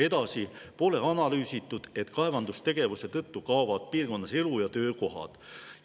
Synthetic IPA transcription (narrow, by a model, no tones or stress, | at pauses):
e̞d̪̥ɑsipo̞le̞ɑnɑlyːsit̪ːˑud̪̥e̞t̪kɑevɑnd̪ust̪e̞ɡ̥e̞vuse̞t̪ɤt̪ːukɑːvɑd̪̥̚piːrko̞nːɑse̞lujɑt̪ø̞ːko̞ɦɑ̰d̪̥